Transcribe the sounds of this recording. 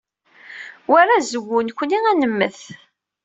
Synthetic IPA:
wæɾæzəɡʷːʊnkʷːəniŋænəmːəθ

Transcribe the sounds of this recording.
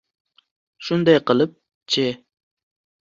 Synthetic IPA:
ʃund̪ɑjqəlˠɨp̚ | t͡ʃʰe

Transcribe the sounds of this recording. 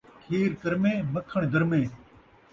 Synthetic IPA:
kʰiːɾkəɾmẽːməkʰəɳ̃d̪əɾmẽː

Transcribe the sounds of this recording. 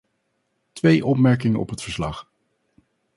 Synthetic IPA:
tʋejʔɔpmɛɹk̬ɪŋəʔɔ̰pɦətfəɹslɑχ

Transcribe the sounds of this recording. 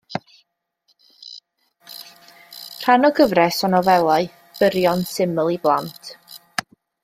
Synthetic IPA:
r̥anɔɡəvrɛsɔnɔvɛlˠaɨ | b̥əɾjɔnsɪməlˠiblˠantʰ

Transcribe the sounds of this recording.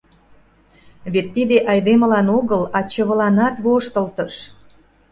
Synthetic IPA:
βet̪ːid̪eʔɑjd̪eməlɑnoɣəlɑt͡ɕə̆βəlɑnɑt̪βoʃt̪ə̆lt̪ə̆ʃ

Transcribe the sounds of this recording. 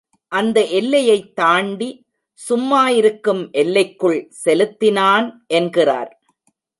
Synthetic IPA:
ʔɐnd̪ɐʔɛlːɐjɐɪt̪ːaːɳɖi | sʊmːaːjɪɾɯkːɯmʔɛlːɐɪkːɯɭsɛlɯt̪ːɪnaːnʔɛnɡɪra̰ːɾ

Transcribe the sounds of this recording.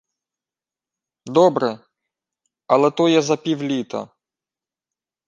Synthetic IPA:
d̪ɔbɾɛ | ɐlˠɛt̪ɔjɛzɐpʲiwlʲit̪ɐ̰

